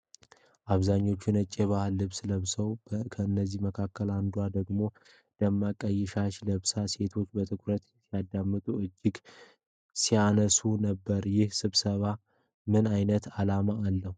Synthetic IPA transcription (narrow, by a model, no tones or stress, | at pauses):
ʔaβzaɲːo̞t͡ʃːɪnət͡ʃʼːe̞βahalːɨβsɨləβsəwkʰəɨnːəzːihməkʰakʰːəland̪uad̪əɡmo̞ | d̪̥əmːakʼəjːɛʃaʃləβsase̞t̪ʰo̞t͡ʃːbət̪ʰɨkʰɾət̪ | sijad̪ːamːɨt̪ʼuɨd͡ʒːɪɡ | sianəsunəbːəɾjɪhsɨβsəβa | mɨnajnət̪ʰalamaːlːəhu